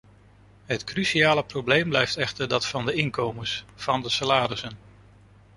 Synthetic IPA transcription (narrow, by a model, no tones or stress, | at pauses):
ɦətkrysiaːləprowblejmblɛjftɛχtəɹdɑtfɑndəɪŋkowməsfɑndəsalaːɾəsən